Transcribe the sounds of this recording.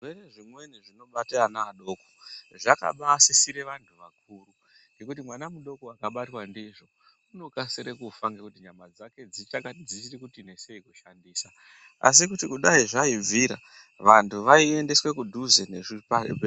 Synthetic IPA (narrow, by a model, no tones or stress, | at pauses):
ʐweɾeʐimwe̞niʐino̞ɓateanaːɗo̞ːkoʐaka̰ɓasisiɾe̞ʋantʰuʋak̚uːɾu | ɡekutimwanamuɗo̞koakaɓatwandiʐo | uno̞kasiɾekufaŋɡekutiɲamad͡zake̞d͡zit͡ʃakad͡zisiɾikutine̞se̞ikuʃandiːsa | a̰s̬ikutikuɗaiʐaid͡ziɾa̰ | ʋantʰuʋaie̞nde̞swe̞kudʱuzeneʐipa